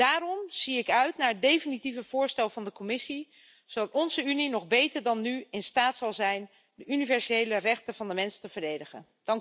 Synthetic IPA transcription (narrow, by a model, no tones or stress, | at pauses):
d̥aːɾɔmz̥iɪkœɥtnaːɹdejfinitivəv̥ʊːɹstɛlˠvɑndəkɔmɪsi | zowdɑtɔnzəyninɔχbejtəɹdɑnːyɪnstaːtsɑlˠzɛjn | dəʔynivɛɹsejlərɛχtənvɑndəmɛnstəvəɹdejdəχə̰n | d̥ɑŋk